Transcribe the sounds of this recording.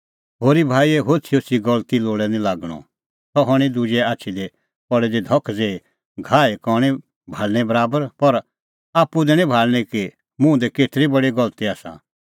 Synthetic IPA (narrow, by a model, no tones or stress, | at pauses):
ɦoːɾibʱaːiɛɦot͡sʰiot͡ʃʰiɡɐlt̪iloːɽɛnĩlaːɡɽ̃ɔ̰ | t̪ɔɦɔɽ̃ĩd̪ud͡ʒɛaːtːʃʰid̪ɛ | pɔɽɛd̪id̪ʱɔkʰd͡zeːi | ɡʱaːekɔːɽ̃ĩ | bʱaːlnɛbɐɾaːbəɾpɐɾ | aːpud̪ɛñĩbʱaːlñiki | mũd̪ɛkeːʈʰɾibɐɽiɡɐlt̪iaːsã̰